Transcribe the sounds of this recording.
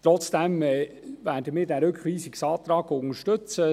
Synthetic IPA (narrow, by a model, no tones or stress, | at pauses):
t̪ɾɔt͡sd̥ɛmɛ | væːɾdəmɪːɾdæːɾɵkχʋiːsiksɑːt̪ɾɑːɡʊŋəʃtɵt͡sə